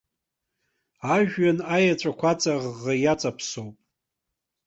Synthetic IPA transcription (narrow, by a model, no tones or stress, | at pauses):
aʒᶣɥanajat͡ʃʷʼakʷʰat͡sʼaʁːajat͡sʼapʰsowpʼ